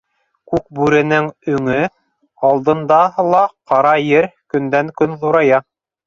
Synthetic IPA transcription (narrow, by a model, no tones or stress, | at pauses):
kʉk̚bʉɾɘ̆nɘŋɵ̆ŋɘ | ɑlˠd̪ɤ̆nd̪ɑlˠɑqɑɾɑjɘɾkɵ̆nd̪æŋkɵnðuɾɑjɑ